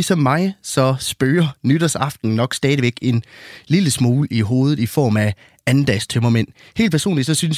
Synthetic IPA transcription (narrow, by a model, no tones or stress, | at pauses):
isɒ̽mːɑ̈ɪsɒ̽sb̥øːɐnyd̥ɐsɑ̈fd̥n̩nɒ̽ɡ̥sd̥ɛːð̞ˠʋeɡ̥e̝nliləsmuːliɦo̝̰ːð̞ˠð̩ˠifɒ̰ːmæ | ænd̥ɛst͡sʰømɐmen̰ | he̝̰ːld̚pʰæɐso̝̰ːnlid̥sɒ̽syns